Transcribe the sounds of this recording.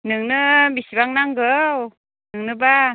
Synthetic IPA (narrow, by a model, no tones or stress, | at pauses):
nɯŋnɯmisibaŋnaŋɡɯw | nɯŋnɯba